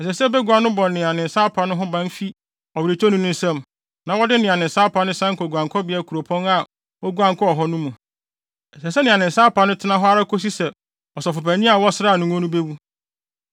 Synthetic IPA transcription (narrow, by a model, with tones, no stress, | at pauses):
ɛ˨sɛ˨sɛ˦bɛ˦ɡʷu˨a˨nʊ̃˦bɔ̃˨nːɪ̃˨a˨nɪ̃˨n̩˨saː˦pʰã˨nʊ̃˦ɦʊ̃˦bã˦m˦fi˦ | ɔ˨wi˨ɾe˨t͡ʃʰɔ˦nʊ̃˦nʊ̃˦n̩˦sɛ̃˦˨m | nã˨wɔ˦dɪ˦nɪ̃˨a˨nɪ̃˨n̩˨sa˦pʰa˨˦nʊ̃˦sã˦ŋ̩˦ko˨ɡʷu˨ã˨ŋkʰɔ˦bɪ˨˦ɛ˨kʰu˨o˨pʰɔ̃˦na˨ | wɔ˦ɡu˦ã˨ŋ˨kʰɔ˦ɔ˨ɦɔ˦nʊ̃˦mũ˨ | ɛ˨sɛ˨sɛ˦nɪ̃˨a˨nɪ̃˨n˨saː˦pʰa˨nʊ̃˦tʰɪ˦nã˦ɦɔ˦a˦ɾa˦kʰo˦s̬i˦sɛ˨ | ɔ˨sɔ˨fʊ˨pæ˨nĩ˦a˨wɔ˦sɪ˦ɾa˦˨nʊ̃˦ŋ˦ɔ̃˦nũ˦be˦wu˦